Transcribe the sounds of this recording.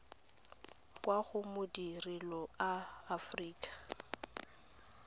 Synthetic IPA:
kʼwaɣʊmʊdirilɔaːfriːkʼḁ

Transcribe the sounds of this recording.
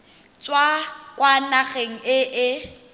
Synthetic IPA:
t͡swakʼwanaɣeŋ̩ɪʔɪ

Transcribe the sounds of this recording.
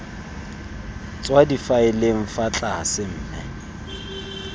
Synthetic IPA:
t͡sʼwadifaɪleŋ̩fat͡ɬʼaa̰sɪm̩ːnɛ̰

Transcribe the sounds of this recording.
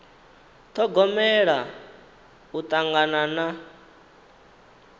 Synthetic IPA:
t̪ʰɔɡɔmɛɺa | ut̪ʼaŋɡanana

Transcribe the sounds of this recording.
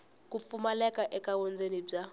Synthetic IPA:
kʼup̪fumalɛkʼaʔɛkʼawɔnd͡zenib͡ʐa

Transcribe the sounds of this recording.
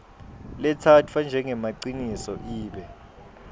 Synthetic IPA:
lɛtʰatʰfand͡ʒʱɛŋɛmaǀinisɔʔiːɓɛ

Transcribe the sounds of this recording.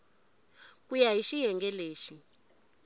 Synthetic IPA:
k̬ʼujaɦiʃijɛŋɡɛleːʃi

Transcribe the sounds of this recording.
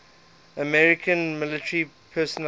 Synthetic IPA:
əmɛɹɪkʰə̃nmɪlɪtəɹi | pʰɜːsən

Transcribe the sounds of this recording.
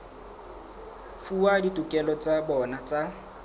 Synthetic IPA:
fuaditʼukʼɛlɔt͡sʼabɔnat͡sʼa

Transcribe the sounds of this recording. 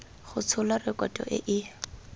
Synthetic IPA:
χʊt͡sʰʊlarɪkʼɔtʼɔ̰ʔɪ̰ʔɪ

